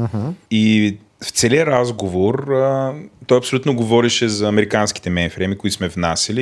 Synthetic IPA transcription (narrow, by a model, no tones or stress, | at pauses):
m̩i | ft̪sɛliəɾazɡovoɾət̪ɔjɐpsolʲut̪noɡovɔɾɛʃɛzɐːmɛɾikansk̟i̥t̪ɛmɛnfɾɛmikʊit̪ʊsmɛvnasʲɐli